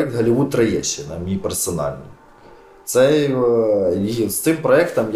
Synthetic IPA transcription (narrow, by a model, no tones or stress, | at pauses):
ɛk̚t̪ɦɐlʲɪʋut̪ɾɐjɛt͡ʃːɪnɐmʲipɛrsɐnɑ̰lʲnʲḭ | t̪sɛ | st̪ɪmpɾɔɛkt̪ɐmj